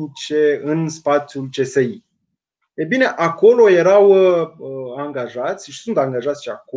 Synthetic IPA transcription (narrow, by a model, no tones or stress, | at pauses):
it͡ʃeɨnspat̪sʲjult͡ʃe̞sei | ebine̞ʔako̞lo̞je̞ɾaw | aŋɡaʒat̪sʲʃi̥sunt̪aŋɡaʒat̪sʲʃiako